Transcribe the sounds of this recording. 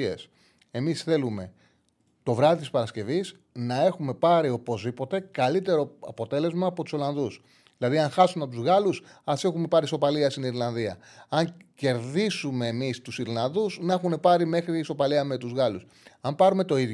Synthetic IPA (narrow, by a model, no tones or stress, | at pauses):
ḛs | e̞misθe̞lume̞ | t̪o̞vɾɐðit̪ispɐɾɐsce̞vis | nɐe̞xume̞pɐɾio̞po̞zðipo̞t̪e̞kɐlit̪e̞ɾo̞ɐpo̞t̪e̞le̞zmɐːpot̪u̥so̞lɐnðus | ðilɐðiɐŋxɐsunɐt̪uzɣɐlusɐsexume̞pɐɾiso̞pɐliɐst̪iniɾlɐnðiɐ̰ɐŋce̞ɾðisume̞ːmist̪usiɾlɐnðusnɐexune̞pɐɾime̞xɾiso̞pɐliɐme̞t̪uzɣɐlus | ɐmpɐɾume̞t̪o̞ið